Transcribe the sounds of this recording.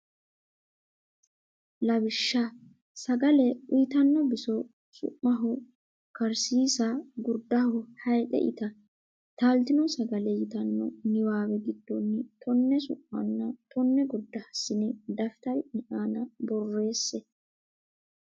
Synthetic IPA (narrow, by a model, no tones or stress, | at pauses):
lɐbɪʃːa | sɐɡɐlɛʊjɪt̪ɐnːɔbɪsɔ | sʊ̰ʔːɐɦʊ | kɐɾsiːsaɡʊɾd̪ːɐhʊhɐjt̪ʼɛ̰ʔɪ̰t̪ɐ | t̪aːlt̪ɪnɔsɐɡɐlɛjɪt̪ɐnːɔ̰nɪwaːwɛɡɪd̪ːɔnːɪt̪ɔnːɛsʊ̰ʔːɐnːɐt̪ʰɔnːɛɡʊɾd̪ːɐhɐsːɪnɪd̪ɐfɪt̪ɐjnɪʔaːnɐbɔrːe̞ːsːɛ